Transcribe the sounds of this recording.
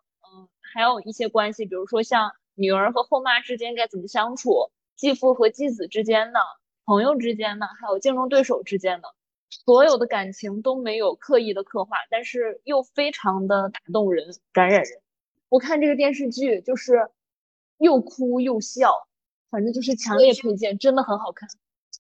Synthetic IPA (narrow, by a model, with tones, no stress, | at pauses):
xa˧˥ɪjo˨˩ʊi˥˩ɕjɛ˥kwa˥nɕi˨˩pi˨˩ɻu˧˥ʂwɔ˥ɕjɑ˥˩ŋ | ny˨˩ə˞˧˥xɤ˧˥xo˥˧ʊma˥˩ʈ͡ʂɻ̩˥t͡ɕjɛ˥nka˥˩ɪt͡sə˨˩nmə˦ɕjɑ˥ŋʈ͡ʂʰu˨˩˦ | t͡ɕi˥˧fu˥˩xɤ˧˥t͡ɕi˥˩t͡sɹ̩˨˩ʈ͡ʂɻ̩˥t͡ɕjɛ˥nd̪ə˨ | pʰɤ˧˥ŋjo˧ʊʈ͡ʂɻ̩˥t͡ɕjɛ˥nd̪ə˨xa˧˥ɪjo˨˩ʊt͡ɕi˥˩ŋɻʊ˥ŋt̪we˥˩ɪʂo˨˩ʊʈ͡ʂɻ̩˥t͡ɕjɛ˥nd̪ə˩ | swɔ˧˥jo˨˩ʊd̪ə˦ka˨˩nt͡ɕʰi˧˥ŋt̪o˥ʊme˧˥ɪjo˨˩ʊkʰɤ˥˧i˥˩d̪ə˩kʰɤ˥˧xwa˥˩t̪a˥˧nʂɻ̩˥˧jo˥˩ʊfe˥ɪʈ͡ʂʰɑ˧˥ŋd̪ə˧t̪a˨˩t̪ʊ˥˩ŋɻə˧˥nka˧˥nɻa˨˩nɻə˧˥n | wɔ˨˩kʰa˥˧nʈ͡ʂɤ˥˩ɡə˩t̪̬jɛ˥˧nʂ̬ɻ̩˥˧t͡ɕy˥˩t͡ɕjo˥˧ʊʂɻ̩˥˧ | jo˥˩ʊkʰu˥jo˥˩ʊɕjɑ˥˩ʊ | fa˨˩nʈ͡ʂɤ˥˧t͡ɕjo˥˧ʊʂɻ̩˥˩t͡ɕʰjɑ˧˥ŋljɛ˥˩pʰe˥˧t͡ɕjɛ˥˩nʈ͡ʂə˥nd̪ə˨˩xə˧˥nxɑ˨˩ʊkʰa˥˩n